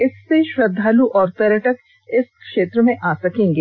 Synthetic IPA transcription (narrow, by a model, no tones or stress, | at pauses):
ɪsːeʃɾɐd̪ʱːaːluʔɔːɾt̪ɐɾəʈək | ɪskʃeːt̪ɾəmẽʔaːsɐkẽːŋɡeː